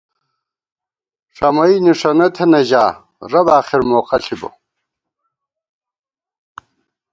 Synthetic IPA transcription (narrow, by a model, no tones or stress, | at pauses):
ʂɐmɐiniʂɐnɐt̪ʰeneʑaː | ɾɐbaːχiɾmoːqɐɬʰibo̰